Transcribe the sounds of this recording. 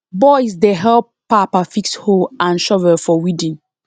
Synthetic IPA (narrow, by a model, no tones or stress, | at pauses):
bɔɪsdeɦɛlppapafiksholʔãnʃɔvɛfɔwidĩn